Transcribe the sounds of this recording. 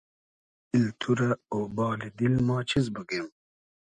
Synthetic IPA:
ilt̪ʰuɾaobɑːlid̪ilmɑːt͡ɕʰizbəɡem

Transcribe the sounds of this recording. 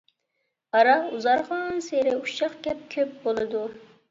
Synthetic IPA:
ɑɾɑuzɑɾʁɑnseɾɪuʃɑχkʲɛp̚kʲʰøp̚bolˠɨd̪u

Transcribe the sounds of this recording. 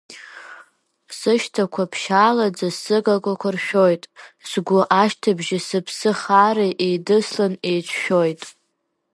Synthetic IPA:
sɨʃtʰakʷʰapʰʃaːlad͡zasɨɡakʷʼakʷʰarʃᶣojtʼsɡʷʊʔaʃtʰabʒɪsɨpʰsɨχareʔejdɨslanejt͡ʃʷʰʃᶣo̞jtʼ

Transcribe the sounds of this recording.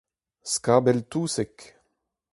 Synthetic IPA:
skabɛlt̪uːsɛk

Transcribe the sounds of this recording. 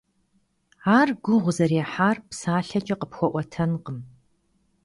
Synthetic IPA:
aːrɡʷʊʁʷʊzɐɾeːħaːrpsaːɬɐt͡ʃʼɐqəpxʷɔʔʷɔtʰɐnqəm

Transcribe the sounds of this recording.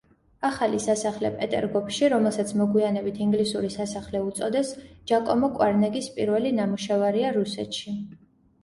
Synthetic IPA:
aχalisasaχlɛpʼɛt̪ʼɛ̰ɾɡɔpʃiɾɔmɛlˠsat̪sʰmɔɡwianɛbit̪ʰiŋɡlisuɾisasaχlɛut̪sʼɔd̪ɛsd͡ʒ̥akʼɔmɔkʼwaɾnɛɡispʼiɾvɛlinamuʃavaɾiaɾusɛt̪ʃi

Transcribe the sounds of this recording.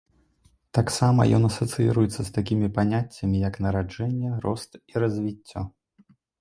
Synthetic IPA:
t̪aksamɐ̰jɔ̰nɐsɐt̪sɨjḭɾujɛt̪sːɐst̪akʲimʲipanʲat͡sʲːɐmʲijɐknɐɾad͡ʐɛnʲːɛɾɔst̪iɾɐzʲvʲit͡sʲːɔ

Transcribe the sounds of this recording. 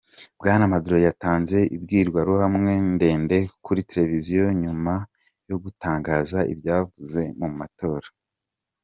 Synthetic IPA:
bɡaːnamaduɾojataːnze̞ʔḭb̚ɡiːɾɡwaɾuhamŋe̞nde̞ːnde̞kuɾite̞ɾe̞vizijo̞ɲuma | jo̞ɡutaːŋɡaːzaḭbjaːvuze̞mumumato̞ːɾa

